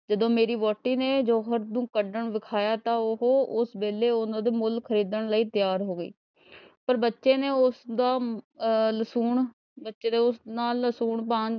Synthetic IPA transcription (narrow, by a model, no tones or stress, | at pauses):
d͡ʒəd̪õːmeːɾiːʋɔːʈːiːneːd͡ʒoːɦəɾd̪ũːkəɖəɳʋɪkʰaːjaːt̪ãːʊɦoːʊsbeːleːʊnãːd̪eːmʊlkʰəɾiːd̪əɳləiːt̪ɪjaːɾɦoːɡəḭː | pəɾbətːʃeːneːʊsd̪aː | ləsuːɳ | bətːʃeːd̪eːʊsnaːlːəsuːɳpãːn